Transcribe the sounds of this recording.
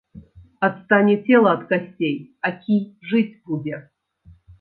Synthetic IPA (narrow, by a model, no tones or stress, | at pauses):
ɐt̪st̪anʲitʲelˠɐɐt̪kɐsʲtʲejɐkʲiʐɨtʲbudʲɛ